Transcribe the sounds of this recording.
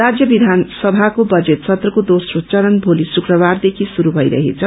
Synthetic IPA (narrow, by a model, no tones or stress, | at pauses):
rad͡zjʌbid̪ʱansʌbʱakobʌd͡zet̪̚t͡sʰʌt̪rʌkod̪osrot͡sʌɾʌnbʱolisukrʌβard̪ekʰisuɾubʱʌjɾʌ̰ɦḛt͡sʰʌ